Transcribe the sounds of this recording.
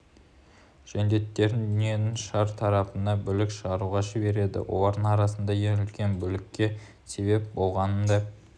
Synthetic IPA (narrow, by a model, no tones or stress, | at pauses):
ʒ̥ænd̪e̞t̪ːe̞ɾɪnd̪ʏnije̞nɪŋʃɑɾt̪ʰɑɾɑpənd̪ɑbʏlɪkʃəʁɑɾuʁɑʒɪbe̞ɾe̞d̪ɪ̰wʔo̰lˠɑɾd̪əɴɑɾɑsənd̪ɑjeʏlkʲe̞nbʏlɪkʲːe̞ | se̞βe̞p̚bo̞lˠʁɑnənd̪ɑ